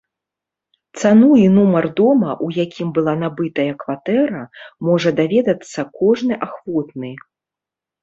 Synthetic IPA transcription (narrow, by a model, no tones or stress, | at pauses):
t̪sanuinumɐrd̪ɔmɐʔujakʲimbɨlˠanabɨt̪ɐjɐkvat̪ɛɾɐmɔʐɐd̪avʲɛd̪ɐt̪sːɐkɔʐnɨʔaxvɔt̪̚nɨ